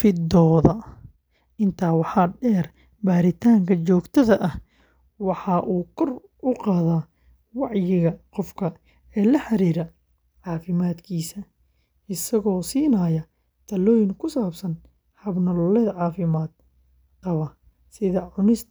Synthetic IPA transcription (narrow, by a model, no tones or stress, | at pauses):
fɪd̪ɔːðɐ | ɪnt̪ʰaːwɑħɑːɖɛːr | baːɾɪt̪ʰaːŋkʰɐt͡ʃɔːɡt̪ʰɐðɐʔɐh | wɑħɑːʔuːkʰɔr | ʔʊqɑːðaː | wɑʕjɪɣɐqɔfkʰɐ | ɛːlɐħɑɾiːɾɐ | ʕɑːfɪmaːd̪kʰiːsɐ | ɪsɐɣɔːsiːnɐjɐ | t̪ʰɐlɔːjɪŋkʰʊsaːbsɐn | hɐbnɐllɛðʕɑːfɪmaːd̪̥̚ | qɐβɐ | sɪðɐʕʊnɪs